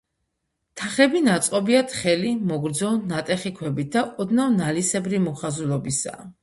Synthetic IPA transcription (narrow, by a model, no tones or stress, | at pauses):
t̪ʰaχɛbinat̪sʼqʼɔbiat̪ʰχɛlimɔɡɾd̪zɔnat̪ʼɛχikʰwɛbit̪̚d̪aʔɔd̪navnalisɛbɾimɔχazulɔbisa̰